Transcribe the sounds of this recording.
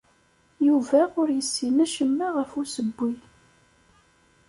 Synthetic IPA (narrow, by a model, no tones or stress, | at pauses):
juvæʊɾjəsːinæʃəmːaʁəfusəbːi